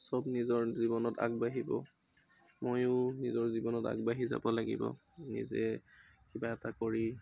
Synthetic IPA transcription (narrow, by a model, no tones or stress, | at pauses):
sɔbnizɔɹzibɔnɔta̰ɡ̚baɦibɔ̰ | mojʊnizɔɹzibɔnɔta̰ɡ̚baɦiza̰bɔlaɡḭbɔ̰ | nḭzɛ | kibaɛtakɔɹi